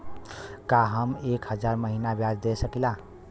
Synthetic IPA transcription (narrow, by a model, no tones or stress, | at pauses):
kaɦəmekɦəd͡ʒaɾməɦinabjad͡ʒd̪esəkila